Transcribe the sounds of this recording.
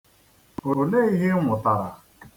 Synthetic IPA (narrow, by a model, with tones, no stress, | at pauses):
o˨ne˦i˦ɦɪ˦ŋʷʊ˨ta˨ɾa˨